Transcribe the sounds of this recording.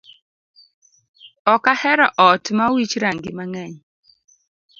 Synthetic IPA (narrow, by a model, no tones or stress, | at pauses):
ɔkahɛɾɔʔɔtmawit͡ʃɾaŋɡɪmaŋɛɲ